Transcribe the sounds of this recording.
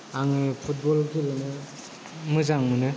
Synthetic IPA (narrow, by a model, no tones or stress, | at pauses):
aŋɯpʰut̚bɔlɡilɯnɯ | mɯzaŋmɯnɯ